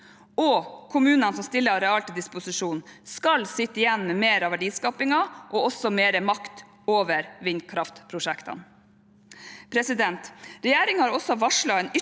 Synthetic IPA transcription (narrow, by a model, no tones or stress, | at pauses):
ɔkʰʊmʉːnənsɔmst̪ɪlːəɾɛɑlt̪əd̪ɪspʊsɪʂuːnskɑlsɪt̪ːəɪjɛnːmɛmeːɾɑʋæɖiːskɑːpɪŋɑʔɔɔsɔmeːɾəmɑkt̪ | oːʋəɾʋɪnkʰɾɑft̪pʰɾʊʂækt̪ɑ̰n | pʰɾɛsɪd̪ɛnt̪ɾɛjæːɾɪŋhɑɾɔsːɔʋɑʂɭɑɛnʏ